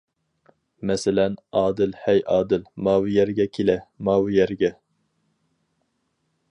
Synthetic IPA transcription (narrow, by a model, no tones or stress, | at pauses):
mɛsɪlɛnɑːd̪ɨlhɛjʔɑːd̪ɪlmɑːwɪjɛɾɡʲɛkʲʰelɛmɑːwjɛɾɡʲɛ